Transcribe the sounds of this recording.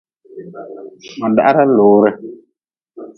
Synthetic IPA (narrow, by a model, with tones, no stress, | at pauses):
ma˨da̰˨a˦ɾa˦loː˨˦ɾɨ˦